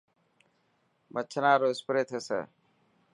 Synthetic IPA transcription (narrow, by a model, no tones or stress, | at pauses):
mʔət͡ʃʰənãːɾoːɪspəɾeːt̪ʰeːsḛː